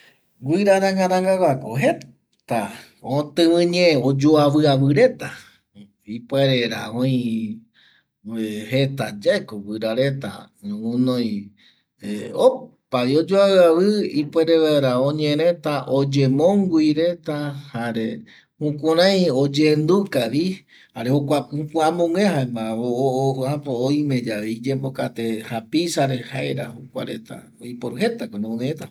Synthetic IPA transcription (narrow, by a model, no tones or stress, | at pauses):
ɡʷiɾaɾaŋɡaɾaŋɡaɡakoɦe | t̪a | õt̪ɨ̃ɨ̃ɲẽod͡ʒoaβɨaβɨɾe̞t̪a | ipeɾeɾa̰õj̃ | he̞t̪ad͡ʒaekoɡʷiɾaɾe̞t̪a̰ | ũnõj̃ | eopajod͡ʒoawɨaβɨipweɾeβeɾaõɲẽ̞ɾẽ̞t̪aʔod͡ʒe̞mõŋɡuiɾe̞t̪ahaɾe | hũkʷuɾãj̃od͡ʒend̪ukaʋi | haɾehokʷahũkʷuãmõŋeɦaẽmbaoapoːjmẽ̞d͡ʒaʋeid͡ʒembokat̪e̞hapisaɾe̞haeɾa̰hukʷa̰ɾe̞t̪a̰ | ojpoɾuɦe̞t̪akonõõmẽet̪a